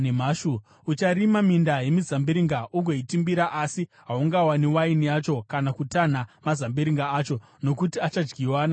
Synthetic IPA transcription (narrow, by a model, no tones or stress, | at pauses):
m̤aːʃu | ut͡ʃaɾimamindaje̞mizambiɾiŋɡaʔuɡʱoitimbiɾaʔasiɦauŋɡawaniwainijat͡ʃo̞kanakutan̤amazambiɾiŋɡaaːt͡ʃo̞ | no̞kutiat͡ʃad͡ʒɡiwaːna